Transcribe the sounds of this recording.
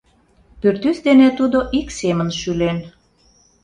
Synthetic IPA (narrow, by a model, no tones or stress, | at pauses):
pyrt̪ysd̪enet̪ud̪oʔiksemənʃylen